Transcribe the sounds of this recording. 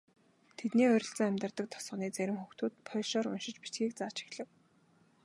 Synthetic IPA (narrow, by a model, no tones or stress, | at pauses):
t̪ʰet̪niːœɾʲɪ̆ɬt͡sə̆ŋæmʲt̪ə̆rt̪ə̆k̚t̪ʰɔ̥sɢɞ̆niːt͡sæɾʲɪ̆mxuxt̪uːt̪̚pʰœʃɔːɾʊ̰nʃɪ̆t͡ɕpi̥t̪ɡiːk̚t͡saːt͡ɕi̥xɮɘ̆k